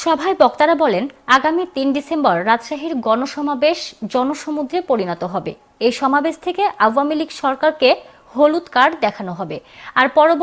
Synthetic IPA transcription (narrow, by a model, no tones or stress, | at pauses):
ʃɔbʱaebɔkt̪aɾabɔlenaɡamit̪inɖisembaɾːad͡ʑʃaɦiɾɡɔnoʃɔmabeʃd͡ʑɔnoʃomud̪ɾepoɾinɔt̪oɦɔbḛ | ejʃɔmabeʃt̪ʰekeʔawamiliɡʃɔɾkaɾke | holut̪kaɖd̪ɛkʰanoɦɔbeaɾpɔɾob